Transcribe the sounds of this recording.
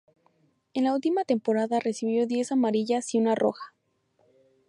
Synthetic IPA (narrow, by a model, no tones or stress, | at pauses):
e̞nlault̪imat̪e̞mpo̞ɾaðare̞siβjo̞ðje̞samaɾiʝasiunarʔo̞̰xḁ